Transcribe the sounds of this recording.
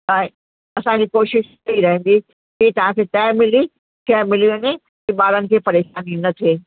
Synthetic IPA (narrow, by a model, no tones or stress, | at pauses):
ae | ɐsãd͡ʑikoːʃɪʃ | ɐiɾɐɦẽndɡ̪i | kit̪ɐʋ̤ãkʰet̪ɛːmɪli | ʃɛːmɪliõnẽ | kiɓaːɾənɪ̆kʰeːpɐɾeːʃaːniõnɐt̪ʰeː